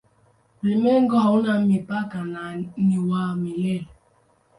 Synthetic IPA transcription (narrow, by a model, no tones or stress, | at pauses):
pɾimeŋ̩ɡɔɦɔunam̩mipakananiwaːmilel